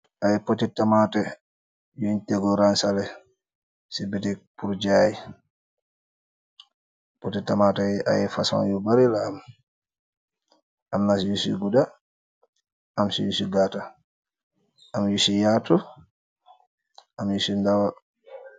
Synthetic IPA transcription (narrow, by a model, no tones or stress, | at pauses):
ʔajɛpɔtɛtːamatɛ | jɔntɛɡɔɾansalɛ | sibɛtɛpuɾd͡ʒaji | pɔtɛtːamatɛa̰jɛfasa̰njɔbaɾilaːm | ʔamnasijusḭɡuda | amsḭjusiɡata | amjusijatɔ | amjusindawa